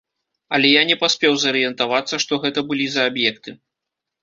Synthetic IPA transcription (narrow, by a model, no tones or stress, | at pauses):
ɐlʲɛjanʲɛpasʲpʲɛwzɐɾɨjɛnt̪avat̪sːɐʂt̪ɔɣɛt̪ɐbɨlʲizɐːbjɛkt̪ɨ